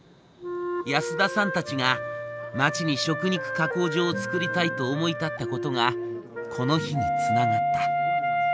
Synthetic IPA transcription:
jasɨd̪asãnt̪at͡ɕiŋamat͡ɕiɲ̟iɕo̞kɯ̟ɲ̟ikɯ̟̥kako̞ːʑo̞ːt͡sɨ̥kɯ̟ɾʲit̪ait̪o̞ːmo̞it̪at̪ːako̞t̪o̞ŋa | kʰo̞no̞çiɲ̟it͡sɨnaɡat̪ːa

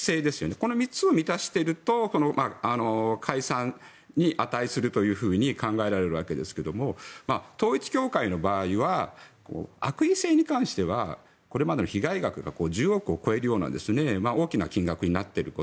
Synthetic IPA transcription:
se̞ːd̪e̞sɨ̥jone̞ko̞no̞mʲit͡sɨo̞mʲit̪aɕi̥t̪e̞ɾɯ̟t̪o̞so̞no̞maano̞kʰaisãn | ɲiʔat̪aisɨɾɯ̟t̪o̞jɯ̟ːɸɯ̟ːɲ̟ikãŋɡae̞ɾaɾe̞ɾɯ̟βake̞d̪esɨ̥ke̞d̪o̞mo̞maːt̪o̞ːit͡sɨ̥kʲo̞ːkaino̞baːiβako̞̰ːa̰kɯ̟ise̞ːɲ̟ikãɰ̃ɕi̥t̪e̞βa̰ | ko̞ɾe̞mad̪e̞no̞çiɡaiɡakɯ̟ɡa̰ko̞ːʑɨːo̞kɯ̟o̞ko̞e̞ɾɯjoːna̰d̪e̞sɨne̞mao̞ːkʲinakʲĩŋɡakɯ̟ɲ̟inat̪ːe̞ɾɯ̟ko

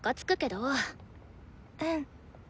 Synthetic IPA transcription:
ɡ̥at͡sɨ̥kɯ̟ke̞d̪o | ɯ̟̃ɴ

